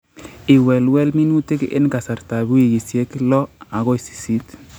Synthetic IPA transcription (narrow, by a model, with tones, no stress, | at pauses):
ɪ˨wɛ˨lwɛ˦lmi˦nu˦te˦kɪ̰˦nka˨sa˨ɾta˨bu˦i˨ɡi˨sje˦klɔ˦a˨ɣo˦i˨si̥˨si˦t